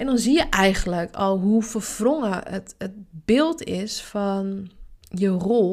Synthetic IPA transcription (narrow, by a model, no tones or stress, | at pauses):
ɛndɔnzijəʔɛjɣənləkʰɔlˠɦufərfroŋəətət̚bɪlˠtʰɪsfɔnjəro